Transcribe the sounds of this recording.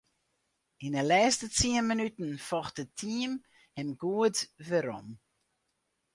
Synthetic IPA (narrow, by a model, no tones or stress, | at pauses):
inəlɛːstət͡siənmənytn̩fɔxt̚ətʰim | hɛmɡuətʋəɾɔ̰m